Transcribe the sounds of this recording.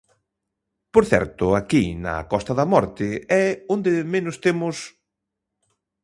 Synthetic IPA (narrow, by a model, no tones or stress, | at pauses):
poɾθɛ̰ɾt̪ʊakinɐ̰kɔst̪ɐðɐmɔɾt̪ɪɛond̪emenʊst̪emʊs